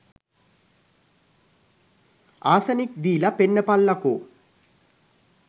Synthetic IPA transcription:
aːsɐnik̚d̪iːlɐpeɳːɐpɐlːɐku

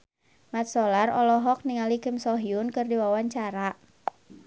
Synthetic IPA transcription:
mat̪̚sɔlarɔlɔɦɔk̚niŋalikɪmsɔɦiʊnkɨrdiwawaɲt͡ʃaɾa

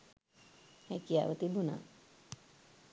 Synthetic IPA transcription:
hɛkija̰ʋət̪ibuna̰

